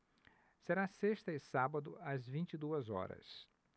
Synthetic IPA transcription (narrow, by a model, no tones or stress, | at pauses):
seɾaseʃt̪ɐɪsabɐd̪ʊɐzvĩnt͡ʃid̪uɐzɔ̰ɾɐ̰s